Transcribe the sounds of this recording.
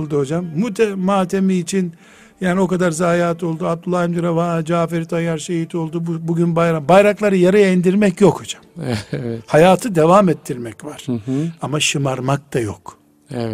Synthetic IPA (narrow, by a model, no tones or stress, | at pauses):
lˠd̪uɦo̞d͡ʒamːut̪ʰɛmaːt̪ʰe̞miːt͡ʃʰin | jaːnio̞kad̪aɾzaːjaːt̪ʰo̞lˠd̪uab̚d̪ulˠːaːjimd̪iɾavaːd͡ʒaːfeɾit̪ʰajaɾʃejit̪ʰo̞lˠd̪ubbuɟynbajɾambajɾaklˠaɾɯjaɾajaind̪iɾmɛcjokʰho̞d͡ʒḁmɛvɛhajaːt̪ʰɯd̪evamet̪ʰːiɾmɛcvaɾ̥amaʃɯmaɾmak̚t̪ʰajo̰k | ɛvɛ